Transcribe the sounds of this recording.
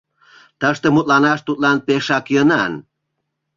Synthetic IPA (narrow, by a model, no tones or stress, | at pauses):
t̪əʃt̪emut̪̚lɑnɑʃt̪ut̪̚lɑnpeʃɑkjənɑn